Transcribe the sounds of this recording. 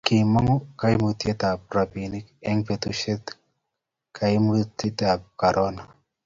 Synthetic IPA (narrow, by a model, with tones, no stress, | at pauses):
kɪ˨mɔ˦ŋɔ˦ka˦i˦mu˨˦t̪je˦ta˨p̚ɾa˨bi˨ni˦kɛ˦ŋpe˨t̪u˦ʃe˦t̪ | kʰa˨i˦mu˦t̪i˦ta˨p̚ka˨ɾʔɔ˦na˨